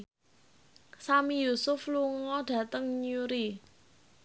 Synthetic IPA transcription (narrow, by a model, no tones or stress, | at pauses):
samijusʊfluŋɔɖ̥ä̤t̪əŋɲuɾi